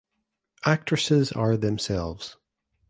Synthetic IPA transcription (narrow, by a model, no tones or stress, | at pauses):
ʔak̚tt͡ʃɹ̥əsɪzə˞ðɛ̃msɛlˠvz̥